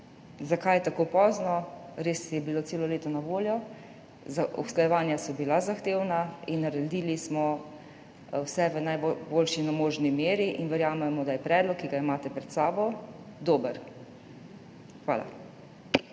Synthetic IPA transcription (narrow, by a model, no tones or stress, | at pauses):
zakajɛt̪akoːpɔːznɔɾeːsijɛbiloːt̪seːlɔleːt̪ɔnaʋoːljɔ | zaɔ̰sklajɛʋaːnjasɔbilazaxt̪eːwnainːaɾɛd̪iːlismɔ | wsɛʋənajbbolʃinamoːʒnimeːɾiʔinʋɛɾjaːmɛmɔd̪ajɛpɾɛːd̪lɔkːiɡaimaːt̪ɛpɾɛt̪saːbɔ | d̪oːbəɾ | xʋa̰ːla̰